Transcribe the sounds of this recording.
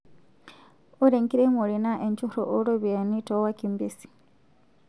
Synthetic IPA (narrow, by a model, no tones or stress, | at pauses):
uɾeŋkiɾemuɾinaʔeɲt͡ʃuɾo̰ʔoɾoβjenitowakimbisi̥